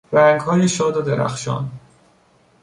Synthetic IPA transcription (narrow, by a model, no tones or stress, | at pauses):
ɾæŋɡɦɒːjeʃɒːd̪od̪eɾæ̰xʃɒ̰ːn